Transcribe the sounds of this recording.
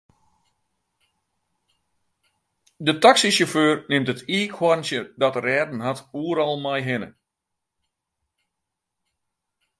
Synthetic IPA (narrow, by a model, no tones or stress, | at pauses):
dətaksisoføːrnɪmtətʰiːkʰwɔrnsjədɔtərɛːdn̩ɦatuəɾɔlˠmajɦɪnə̰